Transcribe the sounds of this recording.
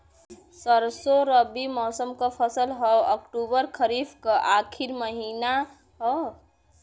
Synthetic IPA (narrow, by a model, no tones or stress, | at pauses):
səɾsoɾəbimɔːsəmkapʰəsəlɦɔɔkʈuːbəɾkʰəɾifkaʔaːkʰiɾməɦiːna | ɦɔ